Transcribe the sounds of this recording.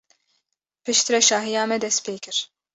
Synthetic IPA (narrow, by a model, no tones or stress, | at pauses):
pɨʃt̪ʰɨɾɛʃaːɦijaːmɛd̪ɛspʰeːkʰɨɾ